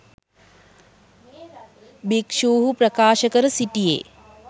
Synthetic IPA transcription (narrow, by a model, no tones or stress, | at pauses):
bikʃuːɦupɾɐkaːʃəkəɾəsiʈijḛː